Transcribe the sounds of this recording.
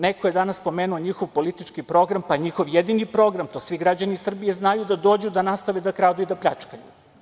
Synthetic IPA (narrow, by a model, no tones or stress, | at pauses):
nekoje̞d̪anasːpo̞meːnuo̞ɲixo̞ʋpo̞lit̪it͡ʃkipɾo̞ɡɾampaɲixo̞ʋjed̪inipɾo̞ɡɾamt̪o̞sʋiɡɾad͡ʑanisr̩bije̞znajud̪ad̪o̞ːd͡ʑud̪anast̪aʋed̪akɾaːd̪uid̪apʎʲat͡ʂkajṵ